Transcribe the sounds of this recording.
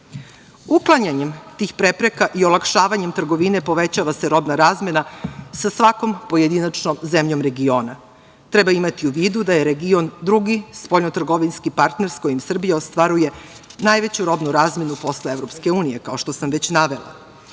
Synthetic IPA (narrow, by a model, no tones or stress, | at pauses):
uklˠaɲaɲe̞mt̪iːxpɾepɾe̞kaʔio̞lˠakʃaːʋaɲemt̪r̩ɡo̞ʋine̞po̞ʋet͡ɕaʋaseɾo̞bnaɾaːzme̞nasasʋako̞mpoje̞d̪inat͡ʃnomzemʎo̞mɾe̞ɡio̞ːna | t̪ɾebaimat̪iuʋiːd̪ud̪ajeɾeɡio̞nd̪ɾuɡispoʎnot̪r̩ɡo̞ʋinskipaɾt̪ne̞ɾsḁko̞jimsr̩bijaost̪ʋaɾuje̞najʋe̞t͡ɕuɾo̞bnuɾaːzme̞nupo̞sleeʋɾo̞pske̞uːnije̞kao̞ʃt̪osamʋet͡ɕnaʋe̞lˠa̰